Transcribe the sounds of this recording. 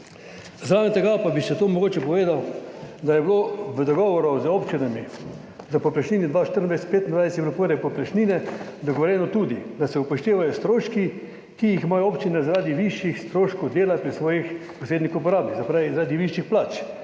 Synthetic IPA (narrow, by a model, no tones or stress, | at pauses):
zɾaːʋɛnt̪ɛɡapabiʃɛt̪oːmɔɡoːt͡ʃɛpɔʋeːd̪awd̪ajɛbloʋəd̪ɔɡɔːʋɔɾɔzoːpt͡ʃinami | zapɔplaʃniːnid̪ʋaʃt̪əɾnd̪ʋajsɛt̪̚peːt̪ind̪ʋajsɛt̪ipɾɔpəɾɛpɔplaʃniːnɛd̪ɔɡɔʋɔɾjɛnɔt̪uːd̪id̪asɛupɔʃt̪eːʋajɔst̪ɾoːʃki | kijixmajɔoːpt͡ʃinɛzaɾaːd̪iʋiʃjixst̪ɾoːʃkowd̪eːlapɾisʋɔːjixpɔseːd̪nixupɔɾaːbnizɐpɾaːʋizaɾaːd̪iʋiʃjixplaːt͡ʃ